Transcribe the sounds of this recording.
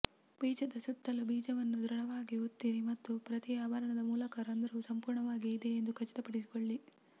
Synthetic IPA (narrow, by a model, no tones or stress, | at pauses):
biːd͡ʒɐd̪ɐsut̪ːɐlubiːd͡ʒɐʋɐnːud̪ɾɐɽɐʋaːɡiot̪ːiɾimɐt̪ːupɾɐt̪iaːbɐɾɐɳɐd̪ɐmuːlɐkɐɾɐnd̪ɐɾusɐmpuːɾɳɐʋaːɡiːd̪eend̪ukʰɐt͡ʃːɐ̥t̪ɐpɐɽisi̥koɭːi